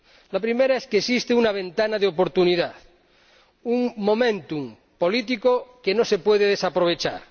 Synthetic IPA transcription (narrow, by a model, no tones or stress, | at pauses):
lapɾimeɾaeskeːsist̪eunaβ̞ẽnt̪anaðeop̬oɾt̪uniðaθ | uŋmo̞mẽnt̪um | polit̪̬ikokenosepweðeð̞esapɾoβ̞et͡ʃa̰ɾ